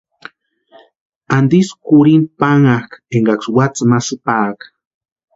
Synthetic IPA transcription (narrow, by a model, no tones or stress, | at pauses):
and̪iskuɾinpaŋakeŋɡakswat͡sɨmasɨpaːk